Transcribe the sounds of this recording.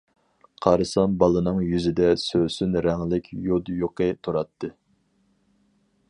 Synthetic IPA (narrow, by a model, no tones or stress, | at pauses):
qʰɑɾɨsɑmbɑlˠɨnɨŋjyzɪd̪ɛsøsynɾɛŋlɪkʲjod̪joqʰət̪ʰuɾɑt̪ʰːɨ